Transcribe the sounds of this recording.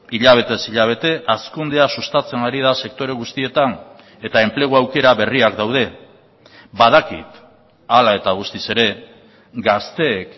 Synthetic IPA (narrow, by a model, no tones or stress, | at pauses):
iʎaβ̞e̞t̪e̞siʎaβ̞e̞t̪e̞ʔaskund̪easust̪at͡se̞naɾið̞ase̞k̚t̪o̞ɾe̞ɣ̞ust̪ie̞t̪an | e̞t̪ae̞mple̞ɣ̞uawke̞ɾaβe̞riakd̪awð̞e̞ | baðakḭt̪ | alae̞t̪aɣ̞ust̪ise̞ɾe̞ | ɡast̪e̞k